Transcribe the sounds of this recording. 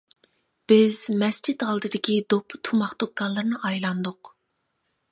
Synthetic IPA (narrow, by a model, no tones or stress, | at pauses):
b̥ɪzmɛst͡ʃit̪ɑlˠd̪ɨd̪ɪkʲʰid̪opʰːt̪ʰumɑχt̪ok̚ɡɑlˠːɨɾnɨʔɑjlˠɑnd̪ʊq